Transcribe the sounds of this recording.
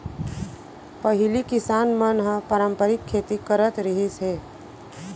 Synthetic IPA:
pəɦilikɪsaːnmənɦə̃pəɾəmpəɾɪkʰːet̪ikəɾət̪ɾiɦisɦe

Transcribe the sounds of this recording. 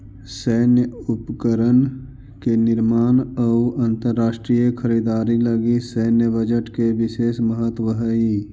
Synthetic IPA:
sɛːnjəʊpkəɾən | kenɪɾmaːnəuə̃nt̪əɾːaːʃʈɾijəkʰəɾiːd̪aːɾiləɡisɛːnjəbəd͡ʒəʈkeʋɪseːsməɦət̪wəɦəi

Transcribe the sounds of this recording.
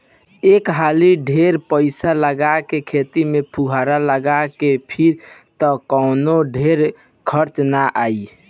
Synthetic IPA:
ekɦaliɖʱeɾpəɪsaləɡakekʰet̪imepʰuɦaɾaləɡakepʰiɾt̪ɔkɔnoɖʱeɾ | kʰəɾt͡ʃnaʔai

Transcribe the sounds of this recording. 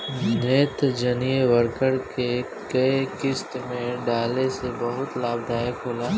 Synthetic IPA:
neːt̪d͡ʒɐnijeʋəɾkəɽke | kɐekɪst̪mẽɖaːlesebɐɦʊt̪laːb̚d̪ʱaːjekʰɦoːlaː

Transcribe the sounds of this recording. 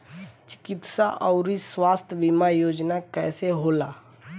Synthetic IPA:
t͡ʃɪ̥kɪt̪saʔɔʊɾiswaːst̪ʰbimajoːd͡ʒnakɛːseɦolaː

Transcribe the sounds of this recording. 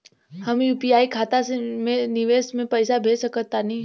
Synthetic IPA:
hɐmjuːpijaːikʰaːt̪asemẽnɪʋeːsmẽpɐɪsabʱeːsəkət̪ːanɐɦĩ

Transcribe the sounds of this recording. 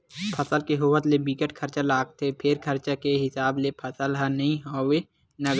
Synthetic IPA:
pʰəsəlkeɦʊwət̪lebikəʈkʰɐɾt͡ʃalaːɡ̚t̪epʰɪɾkʰəɾt͡ʃakeɦɪsaːblepʰɐsəlɦãnɐɦĩɦoːwe | nɐɡ

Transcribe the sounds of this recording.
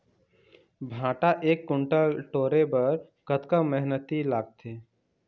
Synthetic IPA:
bʱãːʈaʔeːkːʊ̃ɳʈəʈoːɾebɐɾ | kət̪kamɛɦnət̪ilaːɡ̚t̪ʰeː

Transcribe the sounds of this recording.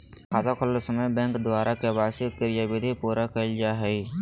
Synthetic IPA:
kaːzakʰʊllsəməjbɛ̃ːŋkd̪waːɾʔakebaːsikɪɾɪjaʋɪd̪ʱipuːɾakeld͡ʒaɦɛi

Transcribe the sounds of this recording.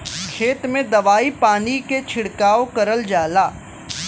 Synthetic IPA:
kʰeːt̪mẽd̪ɐʋaːipaːniket͡ʃʰɪɽkaːokɐɾəld͡ʒaːlaː

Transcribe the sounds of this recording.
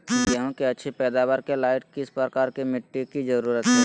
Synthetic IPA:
jɐɦõkeɐtːʃʰipɛːd̪aːʋaːɾkelaːɪʈkɪspɾəkaːɾkimɪʈːikid͡ʒɐɾuːɾət̪ɦɛ

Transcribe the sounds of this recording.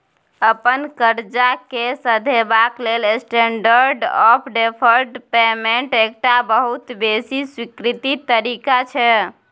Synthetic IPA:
əpənkəɾd͡ʒakesəd̪ʱebaklelesʈeɳɖəɾɖɔpʰɖepʰəɾɖpemeɳʈekʈabəɦut̪besiswikɾit̪it̪əɾikat͡ʃʰɛ

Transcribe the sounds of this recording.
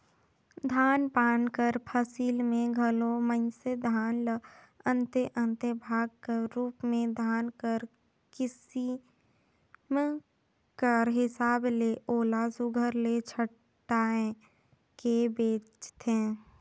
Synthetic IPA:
d̪ʱaːnpaːnkəɾpʰəsiːlmẽɡʱəlomənsed̪ʱaːnlə | ə̃nt̪eʔə̃nt̪ebʱaːɡ̚keɾuːpmẽd̪ʱaːnkəɾ | kɪsi | m | kəɾɦɪsaːbleʔoːlasʊɡʱəɾlet͡ʃʰə | ʈaːẽ | kebeːt͡ʃt̪ʰẽː

